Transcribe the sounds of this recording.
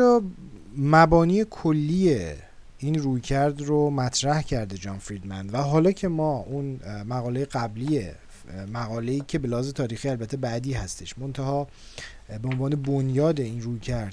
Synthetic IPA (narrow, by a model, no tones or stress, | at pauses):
ɒː | mæbɒːniːekʰolːiːje | iːnruːjcʰæɾd̪romæt̪ʰɾæhcʰæɾd̪e̞d͡ʒɒːnfɾid̪mæ̰nd̪væɦɒːlɒːcʰe̞mɒːʔunmæɣɒːlejeɣæblie | mæɣɒːle̞iːcʰe̞be̞læhɒːze̞t̪ʰɒːɾiːxiːælbæt̪ʰːe̞bæd̪iːɦæst̪e̞ʃmont̪ʰæhɒː | beonvɒːne̞bonjɒːd̪e̞inrujcʰæɾd̪